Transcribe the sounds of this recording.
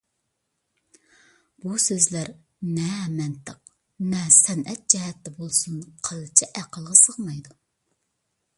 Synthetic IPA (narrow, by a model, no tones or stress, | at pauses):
b̥usøzlæɾ | nɛmɛnt̪ʰəq̚ | nɛsɛnʔɛt̪̚d͡ʒɛɦɛt̪ːɛbolˠsunqʰɑlˠɨt͡ʃʰɛʔæqʰəlˠʁɑsəʁmɑjd̪u